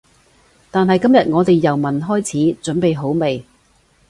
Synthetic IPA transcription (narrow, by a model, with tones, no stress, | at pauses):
t̪aː˨nɦɐ˨jkɐ˥mjɐ˨t̚ŋɔː˨˧t̪e˨jːɐ˨˩wmɐ˨˩nɦɔː˥jt͡sʰiː˨˥t͡ʃɵ˨˥npe˨jɦo˨˥wme˨˩j